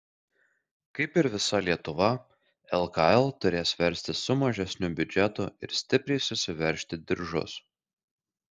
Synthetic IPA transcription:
kɐɪpɪɾʋʲɪsɐlʲiɛt̪ʊʋɐ | ɛlˠkɑɛlˠt̪ʊɾʲeːsʋʲɛɾʲˑsʲt̪ʲɪsʊmɐʒʲɛsʲnʲʊbʲʊd͡ʒʲɛt̪ʊɪɾsʲt̪ʲɪpʲɾʲɛɪsʊsʲɪʋʲɛɾʲˑʃʲt̪ʲɪd̪ʲɪɾʒʊ̰s

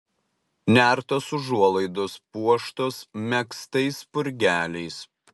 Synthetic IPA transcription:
nʲæˑɾt̪oːsʊʒuɔlˠɐɪd̪ʊspuɔʃt̪oːsmʲɛkst̪ɐɪspʊɾʲɡʲæːlʲɛɪs

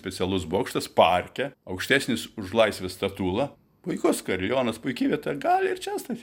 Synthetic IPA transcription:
sʲpʲɛt͡ssʲɛlˠʊsboːkʃt̪ɐspɐrʲkʲɛɐʊkʃʲt̪ʲæːsʲnʲɪsʊʒlˠɐɪsʲʋʲɪst̪ɐt̪uːlˠɐ | pʊɪkʊskɐɾʲjoːnɐspʊɪkʲiːʋʲiɛt̪ojɛɡɑːlʲɪɾt͡ʃʲɛst̪ɐt̪ʲ

